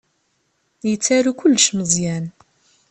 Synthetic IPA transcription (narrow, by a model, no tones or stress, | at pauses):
jət͡sːaɾukʊlːʃməzˤjæn